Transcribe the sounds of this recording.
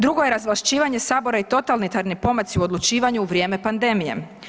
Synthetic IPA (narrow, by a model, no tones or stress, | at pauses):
d̪ɾuɡo̞je̞ɾazʋlaʃt͡ʃiːʋaɲe̞saːbo̞ɾait̪o̞t̪alnit̪aɾnipo̞masiuo̞d̪lˠut͡ʃiːʋaɲuːʋɾjeːme̞pand̪e̞mije̞̰